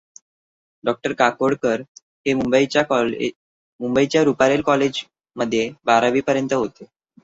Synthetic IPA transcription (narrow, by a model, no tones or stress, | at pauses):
ɖɔk̚ʈəɾkakoɽkəɾ | ɦemumbəit͡ɕjakɔl | mumbəit͡ɕjaɾupaɾelkɔled͡ʑ | məd̪ʱːjebaɾaʋiːpəɾjənt̪əɦot̪e